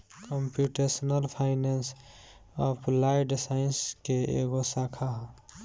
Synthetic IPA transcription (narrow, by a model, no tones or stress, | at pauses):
kəmpjuʈesənəlpʰaɪnens | ɔpʰlajɖsaɪnskeḛɡosakʰaɦ